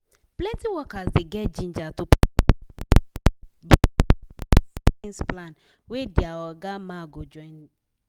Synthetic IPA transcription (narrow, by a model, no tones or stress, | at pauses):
plɛ̃ntiwɔkazdeɡɛd͡ʒĩnd͡ʒatu | b | ĩnsplãn | wediawɔɡamaɡod͡ʒɔ̃ɪ̃n